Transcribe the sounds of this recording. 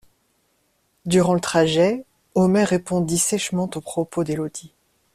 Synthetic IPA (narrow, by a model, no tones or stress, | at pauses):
d̪yʁɑ̃lət̪χaʒɛ | ɔmɛʁepɔ̃d̪isɛʃmɑ̃t̪opχɔpod̪elod̪̥i